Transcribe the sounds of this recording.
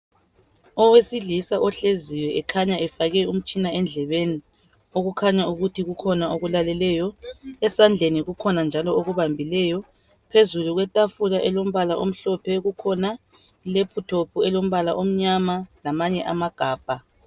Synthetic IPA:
ɔwesiɮisaʔɔɬeziwɛʔɛkʰaɲaɛfaɣɛum̩t͡ʃʼinaɛnd͡ɮʱɛβeni | oɣukʰaɲauɣutʰiɣukʰɔnaoɣulalɛlɛjɔɛsand͡ɮʱeniɣukʰɔnand͡ʒʱalɔoɣuβambʱilɛjɔ | pʰezuluɣwɛtʼafulaʔɛlom̩βalaʔo̰m̩ɬɔpʰɛɣukʰɔna | ilepʰutʰopʰuɛlom̩βalaʔom̩ɲamalamaɲɛʔamaɡ̥ʱaːb̥ʱa

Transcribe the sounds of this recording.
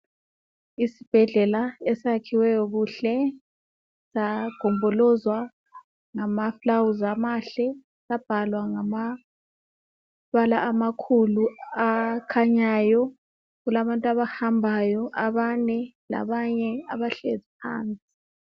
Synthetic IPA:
isib̥ʱɛɮɛlaesakʰiwɛjɔɣuɬɛ | saɡ̥ʱɔmbʱɔlɔzwa | ŋamaflawuzamaɬɛ | sab̥ʱalwaŋama | βalaamakʰuluakʰaɲaːjɔ | ɣulaβantʼaβahambʱajɔʔaβanɛla̰βaɲɛaβaɬezipʰa̰ːnt͡sʼi̥

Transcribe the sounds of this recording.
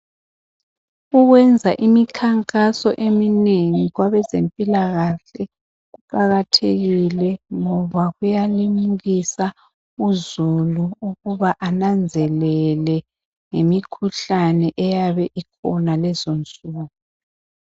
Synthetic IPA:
uɣwɛnd͡zʱaʔimikʰaŋkʼasɔ̰ʔemineŋiɣwaβɛzempʼilaɣaɬɛ | ɣuǃaɣatʰeɣilɛŋɔβaɣujalimuɣisa | uzuluuɣuβaʔanand͡zʱɛlɛlɛ | ŋemikʰuɬanɛʔɛjaβɛʔikʰɔnalɛzont͡sʼuːɣu

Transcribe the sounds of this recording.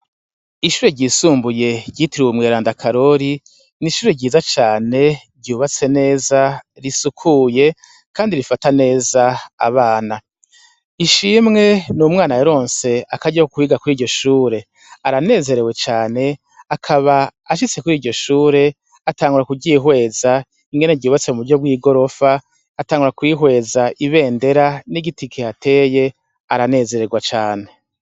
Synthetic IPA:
iʃuːɾe̞ɟiːsuːmbuje̞ɟiːtiɾiwumŋeːɾaːndakʰaɾo̞ɾi | niʃuːɾe̞ɟiːzat͡ʃaːne̞bɟuːβat͡se̞ne̞ːza | ɾisukʰuje̞ | kʰaːndiɾifatane̞ːza̰ːβaːna | iʃiːmŋe̞numŋaːnajaɾo̞ːnse̞akaɟahokuiːɡakuɾiːɾɟo̞ʃuːɾe̞ | aɾane̞ːze̞ɾe̞we̞t͡ʃaːne̞ | akʰaβaaʃ̬it͡se̞kuɾiːɾɟo̞ʃuːɾe̞ | ataːŋɡuɾakuɟiːɦwe̞ːza | iŋɡeneɾɟuːβat͡se̞mumuβuɾɟo̞b̚ɡiːɡo̞ɾo̞faː | taːŋɡuɾakwiːɦwe̞ːzaʔiβe̞ːnde̞ɾaniɡitikʰiatʰe̞ːje̞ | aɾane̞ːze̞ɾe̞ɡwat͡ʃaːne̞

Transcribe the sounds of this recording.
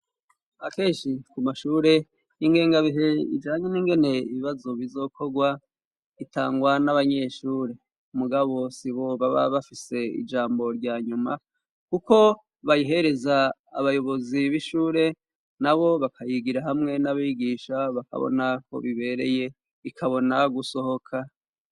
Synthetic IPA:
ake̞ːʃikumaʃuːɾe̞ | iŋɡe̞ːŋɡaβiɦeḭd͡ʒaːɲeniːŋɡe̞ne̞iβiβazo̞βizo̞kʰo̞ɡwa | ita̰ːŋɡwanaβaɲe̞ʃuːɾe̞ | umuɡaβo̞siβo̞βaβa̰βafise̞ḭd͡ʒaːmbo̞ɾɟaːɲuma̰ | kuko̞ | βajiɦe̞ɾe̞za̰ːβajo̞βo̞ziβiʃuːɾe̞ | naβo̞βakʰajiɡiɾaɦamŋe̞naβiɡiːʃaβaka̰βo̰nako̞̰βiβe̞ɾe̞̰je̞ | ikʰaβo̞naɡuso̞ho̞kʰa

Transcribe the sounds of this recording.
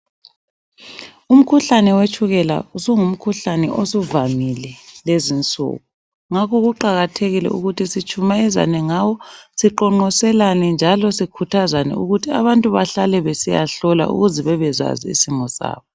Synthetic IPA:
um̩kʰuɬanɛwet͡ʃʰʼuɣɛla̰usuŋum̩kʰuɬanɛ̰ʔosuvamilɛlezint͡sʼṵːɣu | ŋakɔɣuǃaɣatʰeɣilɛ̰uɣutʰisit͡ʃʰʼumaɛza̰nɛŋawɔsiǃɔŋ͡ǃɔsɛlanɛnd͡ʒʱalɔsikʰutʰazanɛ̰ṵɣutʰia̰βantʼuβaɬalɛβesija̰ɬɔla̰ʔṵɣuzɛβɛβɛza̰zḭisimɔsa̰ːβɔ

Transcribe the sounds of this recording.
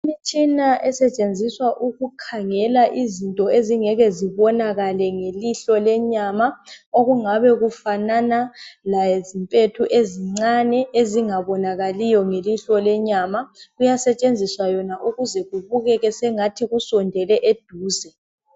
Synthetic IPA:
imit͡ʃʰʼinaʔɛsɛt͡ʃʼend͡zʱiswaʔuɣukʰaŋɛlaʔizintʼɔeziŋɛɣɛziβɔnaɣalɛŋeliɬɔlɛɲamaoɣuŋaβɛɣufananalajezimpʼetʰuʔeziŋ͡ǀanɛeziŋaβɔnaɣalijɔŋeliɬɔlɛɲamaɣujasɛt͡ʃʼend͡zʱiswajɔnaʔuɣuzɛɣuβuɣɛɣɛsɛŋatʰiɣusɔndʱɛlɛʔed̥ʱuːzɛ

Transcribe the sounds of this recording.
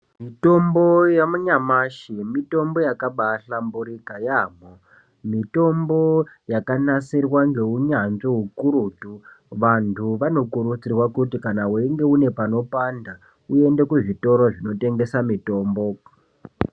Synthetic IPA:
mito̞mbo̞jamuɲamaʃimito̞mbo̞jakaɓaɬambuɾiɡajaːmo | mito̞mbo̞jakanasirwaŋɡe̞uɲanʐoɦukuɾutu | ʋantʰuʋano̞kuɾut͡sirwakutikanawuiŋɡe̞une̞pano̞panda | ue̞nde̞kuʐito̞ɾoʐino̞te̞ŋɡe̞samito̞ːmbo̞

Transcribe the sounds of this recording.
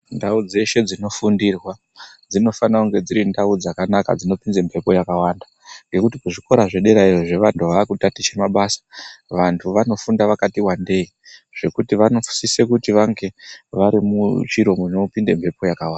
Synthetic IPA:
ndaud͡ze̞ʃe̞d͡zino̞fundirwa | d͡zino̞fanauŋɡe̞d͡ziɾindaud͡zakanaka̰d͡zino̞pind͡zempʰe̞po̞jakawanda | ŋɡe̞kutikuʐiko̞ɾaʐe̞ɗe̞ɾairoʐe̞ʋantʰuʋaːkutatit͡ʃemaɓasḁʋantʰuʋano̞fundaʋakatiwande̞i | ʐ̥e̞kutiʋano̞fu̥sisekutiʋaŋɡe̞ʋaɾimut͡ʃiɾo̞monopindempʰe̞po̞jakawaːnda

